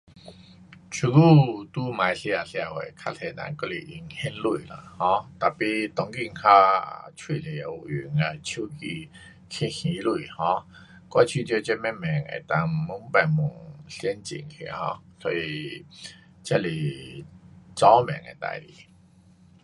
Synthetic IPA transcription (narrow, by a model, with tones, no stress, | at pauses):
t͡ɕʰu˧˦ku˥˨t̪u˦mã˨˧jɬi˧a˨ɬa˧˩wḛ˨kʰa˦˥t̪ʰe˧nã̰˨ŋkɔ˦li˨˩ʔi˧˩ŋhɛ˦˥nlu˧˩˨la̰˨˧˨hɔ̃˧˦t̪a˨˩pi˧t̪ɔ˨˦ŋki˧˨ŋ˨kʰa˦˥˨t͡ɕʰwi˥˧˨li˨˩a˨u˨˩y˨˩ŋa˨˩t͡ɕʰu˦ki˧ | kʰi˧˩xĩ˧˦lu˧˨hɔ̃˧˦ | kwa˧˦t͡ɕʰi˧t͡ɕjo˧˦t͡ɕɛ˦˥mɛ˦˥mɛ˨˩ŋḛ˨˩t̪a˧ŋ˨mu˧˥ŋ˦pa˨˩nmu˨˩ŋsjɛ˦nt͡ɕḭ˨˩ŋkʰḭ˧˩hɔ̰̃˧˦sɔ˧˦i˧ | t͡ɕja˦li˨˩ | t͡sɔ˦mɛ̰˨˩ŋḛ˨˩t̪a̰˧˨jlḭ˨˩˦